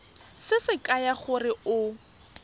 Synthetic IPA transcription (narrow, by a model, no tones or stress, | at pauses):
sɪsɪkʼajaχʊrɪʔʊ